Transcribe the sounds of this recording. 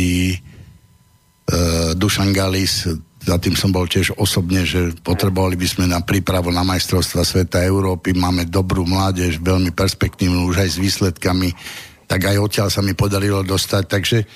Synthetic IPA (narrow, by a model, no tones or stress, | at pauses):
i | d̪uʃaŋɡaliszat̪iːmsɔmbɔlcɪɛʒɔsɔbɲɛʒɛpɔt̪ɾɛbɔʋalibizmɛnapɾiːpɾaʋunamajst̪ɾɔʊst̪ʋasʋɛt̪aɛʊɾɔːpimaːmɛd̪ɔbɾuːmlaːɟɛʒʋɛʎmipɛɾspɛkt̪iːʋnuuʒajzʋiːslɛt̪kamit̪aɡajɔt̪ɪalsamipɔd̪aɾilɔd̪ɔst̪ac̚t̪aɡʒɛ